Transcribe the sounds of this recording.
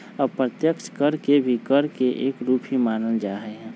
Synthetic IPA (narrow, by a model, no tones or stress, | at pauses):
ɔpɾət̪jəkʃkəɾkebʱikəɾkeʔeːkɾuːpɦimaːnəld͡ʒaːɦəɦɛ̃ː